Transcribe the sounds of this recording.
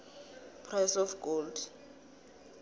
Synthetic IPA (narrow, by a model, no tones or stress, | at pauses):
pʰrɛsɔfɡold